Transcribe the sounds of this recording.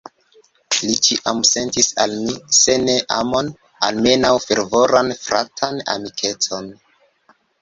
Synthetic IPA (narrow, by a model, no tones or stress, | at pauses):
lit͡ʃiʔamse̞ntisalmise̞ne̞ʔa̰mo̞n | a̰lme̞nawfe̞ɾvo̞ɾanfɾa̰tʰana̰mikʰe̞t͡so̞n